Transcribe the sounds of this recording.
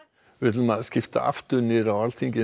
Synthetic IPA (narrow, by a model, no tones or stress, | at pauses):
vɪt̪lmaðscɪft̪a̰ʔa̰ft̪ʏɾnɪːɾawalt̪ʰiŋcɪ